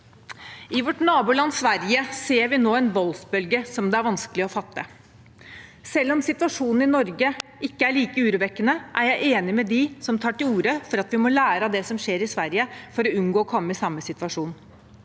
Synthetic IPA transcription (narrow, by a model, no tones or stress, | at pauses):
ɪʋɔʈnɑːbuːɭɑnːsʋæɾjəseːɾʋɪnoːɛnʋɔlsbœlɡəsɔmd̪ɛæɾʋɑnskəlɪɔfɑt̪ːə | sɛlːɔmsɪt̪ʋɑʂuːnn̩ɪnɔɾɡəʔɪkːəæɭiːkəʉːɾʉʋɛkːənəʔæɾjæɪʔeːnɪmɛd̪ɪsɔmt̪ʰɑːʈɪluːɾəfɔɾɑt̪ʋɪmɔlæːɾɑd̪ɛsɔmʂeːɾɪsʋæɾjəfɔɾɔʉnɡoːɔkʰɔmːəɪsɑmːəsɪt̪ʋɑʂuːn